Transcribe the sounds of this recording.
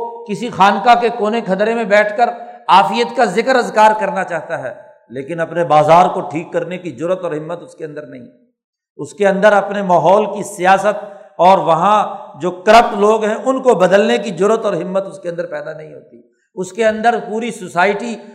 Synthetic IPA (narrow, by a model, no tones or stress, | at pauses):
kɪsixaːnkakekoːnekʰɐt̪ɾemẽbɛːʈʰkəɾaːfijət̪kazɪkəɾɐzkaːɾkɐɾnat͡ʃaːɦt̪aɦɛː | leːkɪnɐpnebaːzaːɾkoʈʰiːkːɐɾnekid͡ʒʊɾət̪ɔːɾɦɪmːət̪ʊskeɐ̃nd̪əɾnɐɦĩɛ | ʊskeɐ̃nd̪əɾɐpnemaːɦɔːlkisijaːsət̪̚ɔːɾʋɐɦãd͡ʒoːkɐɾəp̚ʈloːɡɦɛ̃ʔʊnkobɐd̪əlnekid͡ʒʊɾət̪ɔːɾɦɪmːət̪ʊskeɐ̃nd̪əɾpɛːd̪anɐɦĩɦo̰ːt̪i | ʊskeɐ̃nd̪əɾpuːɾisʊsaːɪʈi